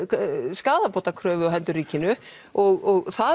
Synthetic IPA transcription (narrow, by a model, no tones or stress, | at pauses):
skaːðapoːt̪akʰɾœːvʏɔɦɛnt̪ʏɾiːcɪnʏ | ɔɣɔɣθa